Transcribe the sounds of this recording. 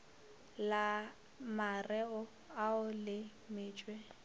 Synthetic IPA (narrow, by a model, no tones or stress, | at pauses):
la | marɛʊ | aʊlɪ | mɪːt͡ʃʼwe